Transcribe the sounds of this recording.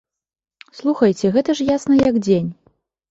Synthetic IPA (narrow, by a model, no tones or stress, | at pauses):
slˠuxɐjt͡sʲɛɣɛt̪ɐʂjasnɐjɐɡd͡zʲenʲ